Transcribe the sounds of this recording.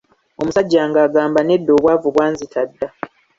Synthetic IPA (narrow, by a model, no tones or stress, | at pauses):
omusaɟːaːŋɡaːɡaːmbane̞dːo̞ːβwaːvuβwaːnzitʰadːa